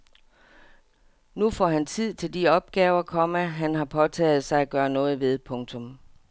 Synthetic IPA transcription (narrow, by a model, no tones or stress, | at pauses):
nufɒ̰ɦænt͡sʰið̞̰ˠt͡sʰe̝ld̥iɒ̽b̥̚ɡ̥ɛːʊɐkʰɒ̽məɦænɦɑ̈pʰɒ̽t͡sʰɛ̰ːð̞̩ˠsɑ̈ɪæɡ̥ɶːɐnɔ̽ːð̞̩ˠʋe̝ð̞ˠpʰɔ̽ŋt͡sʰɔ̽m